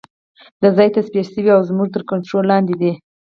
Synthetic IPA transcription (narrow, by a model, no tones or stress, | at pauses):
d̪əzɑjt̪aspijasəwiawzmuʐt̪əɾkaɳʈɾolːɑnd̪ed̪i